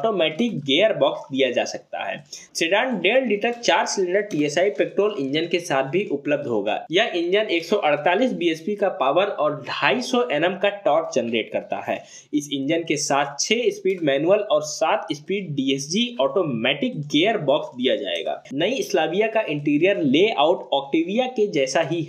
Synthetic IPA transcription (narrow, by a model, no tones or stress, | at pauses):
ɔːʈoːmɛːʈɪkɡeːəɾbɔːksd̪ijad͡ʒaːsɐk̚t̪a̰ɦɛ̰ːseːɖaːnɖeːnɖiːʈəɾt͡ʃaːɾsɪlɪ̃ɳɖəɾʈiːesaːipeːk̚ʈɾoːlɪ̃nd͡ʒənkesaːt̪̚ʰbʱiʔʊpləb̚d̪ʱɦo̰ːɡa̰ːjɐʔɪ̃nd͡ʒəneːksɔʔɐɽ̤t̪aːliːsbiespikapaːʋəɾɔːɾɖʱaːisɔʔɛːnə̃mkaʈɔːʈ̚d͡ʒɐnɾeːʈkɐɾt̪a̰ɦɛ̰ː | ɪsɪ̃nd͡ʒənkesaːt̪ʰt͡ʃʰeɪspiːɖmɛːnuəlɔːɾsaːt̪ʰɪspiːɖɖiesd͡ʒiɔːʈoːmɛːʈɪk̚ɡeːəɾbɔːksd̪ijad͡ʒa̰ːḛːɡa̰ːnɐiɪslaːbijakaʔɪ̃ɳʈiːɾijəɾleːa̰ːʊʈɔːk̚ʈeːʋijaked͡ʒɛːsaɦiɦ